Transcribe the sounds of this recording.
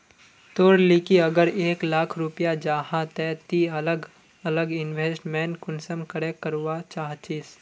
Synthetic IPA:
t̪oːɾlikiɐɡəɾeːklaːkʰɾʊpjad͡ʒaːhãt̪ɛt̪iɐləɡ | ɐləɡɪnʋeːsʈmɛ̃ːnʈkʊnsəmkəɾekːəɾwat͡ʃaːɦt͡ʃiːs

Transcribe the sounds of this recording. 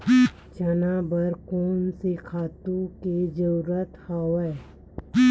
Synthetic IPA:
t͡ʃənabəɾkoːnsekʰaːt̪ũked͡ʒəɾuɾət̪haːwə

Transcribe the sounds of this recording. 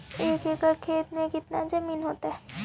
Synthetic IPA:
eːkeːkəɾkʰeːt̪mẽkɪt̪nad͡ʒɐmiːnɦoːt̪aɦɛː

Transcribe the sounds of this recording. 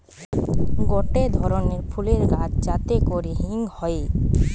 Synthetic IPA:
ɡɔʈed̪ʱɔɾoneɾfʰuleɾɡat̪d͡ʑat̪ekoɾeɦiŋhɔe

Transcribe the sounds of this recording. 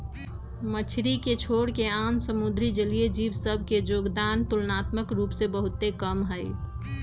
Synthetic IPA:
mət͡ʃʰɾiket͡ʃʰoːɽkeaːmsəmʊd̪ɾid͡ʒəlied͡ʒiːʋsəbʱked͡ʒoːɡd̪aːnt̪ʊlnaːt̪məkɾuːpsebəɦʊt̪ːekəmɦəɪ

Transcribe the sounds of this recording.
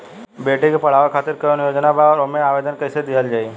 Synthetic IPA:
beːʈekepɐɽ̤aːʋekʰaːt̪ɪɾkəjonjoːd͡ʒnabaɔːɾomẽaːʋeːd̪ənkəɪsed̪ɪɦəld͡ʒaːi

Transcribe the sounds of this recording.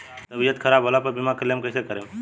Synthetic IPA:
t̪əbijət̪kʰəɾabʱɦolapəɾbimakəlemkəɪsekəɾem

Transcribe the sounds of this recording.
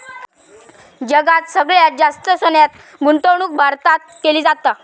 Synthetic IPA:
d͡ʑəɡat̪səɡɭjad͡zast̪əsonjat̪ | ɡunt̪əwɳ̃uːk̚bʱaɾt̪at̪̚keliːd͡zat̪a

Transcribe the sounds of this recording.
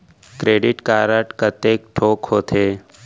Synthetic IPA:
kɾeːɖɪʈkaːɾəʈkət̪eːk̚ʈʰoːkhoːt̪ʰeː

